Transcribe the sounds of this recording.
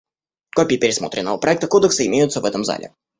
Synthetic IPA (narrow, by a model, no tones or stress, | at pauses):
kopʲɪːpʲɪɾʲɪsmot̪ɾʲɪnːəvəpɾʔɐɛk̚t̪əkod̪əksɨɪmʲejʊt̪səvɛt̪əmza̰lʲɪ̰